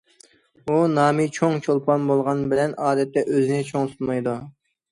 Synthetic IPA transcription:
unɑːmit͡ʃʰoŋt͡ʃʰolˠpʰɑnbolˠʁɑnbɪlɛnʔɑːd̪ɛt̪ːɛʔøzɪnɪt͡ʃʰoŋsunmɑjd̪u

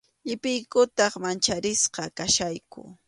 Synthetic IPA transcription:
ʎɪpɪjkʊt̪ɑχmant͡ʃaɾɪsqɑkaʃajkʊ̰

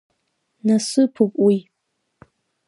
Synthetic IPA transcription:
nasɨpʰupʼwi

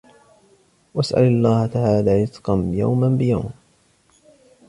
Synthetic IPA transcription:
wasʔa̰lɑlˤːɑːhat̪aʕaːlaːɾɪt̪qɑnja̰wmanbɪja̰wm

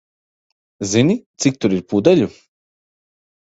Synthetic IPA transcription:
zinit̪sik̚t̪uɾiɾpud̪aʎu

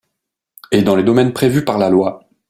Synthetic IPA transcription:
ed̪ɑ̃led̪ɔmɛnpχevypaʁlalwa

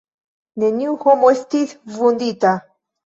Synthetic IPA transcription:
nenʲiwxomosʲt̪it̪ʲvund̪it̪a

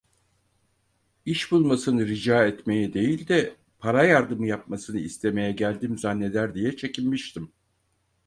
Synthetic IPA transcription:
iʃbulˠmasɯnɯɾid͡ʒaːɛt̪me̞jid̪e̞jilʲd̪ɛ | pʰaɾajaɾd̪ɯmɯjap̚masɯnɯist̪ʰe̞me̞jɛɟælʲd̪imzanːe̞lʲæɾd̪ijɛt͡ʃʰe̞cʰilmiʃt̪ʰim

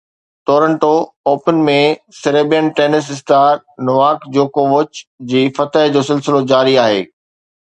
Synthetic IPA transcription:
t̪oːɾə̃ɳʈooːpənmẽsɪɾeːbijənʈeːnɪs̬ɪst̪aːɾ | nʊʋaːkd͡ʑoːkoʋʊt͡ɕd͡ʑiːfɐt̪əɦd͡ʑoːsɪlsɪlod͡ʑaːɾiaːɦḛː

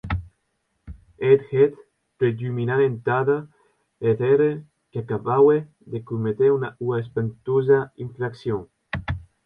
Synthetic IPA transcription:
et̪xet̪ | pɾedyminanent̪aða | et̪eɾe | keakaβawe | d̪ekumet̪eunauaespent̪ozaiɱfɾaksjoŋ

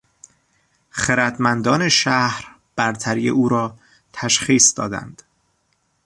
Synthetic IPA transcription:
xeɾæt̪mænd̪ɒːne̞ʃæhɾ | b̥æɾt̪ʰæɾijḛʔuːɾɒː | t̪ʰæʃχiːsd̪ɒ̰ːd̪æ̰nd̪̥

